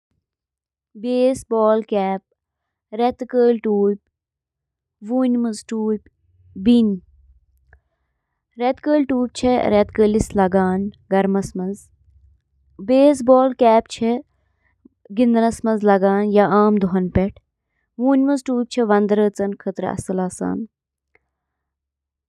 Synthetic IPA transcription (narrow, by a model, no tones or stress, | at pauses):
beːsbɔːlkɛːp̚ | ɾɛt̪kəːlʈuːp̚ʲ | ʋuːnʲmɐzʈuːpʲ | bin | ɾɛt̪kəːlʈuːp̚ʲt͡ʃʰeɾɛt̪kəːlislɐɡaːnɡɐɾmɐsmɐnz | beːs̬boːlkɛːp̚t͡ʃʰe | ɡind̪nɐsmɐzlɐɡaːnjaaːmd̪oɦɐnpɛʈʰ | ʋuːnʲmɐzʈuːp̚ʲt͡ʃʰeʋɐnd̪ɾəːt͡sɐnkʰət̪ɾɐ̰ɐ̰sɐlaːsa̰ːn